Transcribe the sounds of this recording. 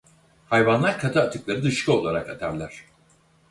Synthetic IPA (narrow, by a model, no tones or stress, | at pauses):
hajvanlˠaɾkʰat̪ʰaːt̪ʰɯklˠaɾɯd̪ɯʃkʰɯo̞lˠaɾakat̪ʰaɾlʲæɾ̝̥